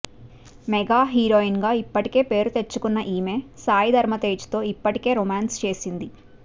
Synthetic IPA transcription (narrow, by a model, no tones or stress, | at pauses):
mɛɡaːɦiːɾoːinɡaːipːɐʈike̞ːpe̞ːɾut̪e̞t͡ʃːukunːɐʔiːme̞ːsaːjid̪ʱɐɾmɐt̪eːd͡ʒt̪o̞ːipːɐʈike̞ːɾimaːnst͡ʃe̞ːsind̪i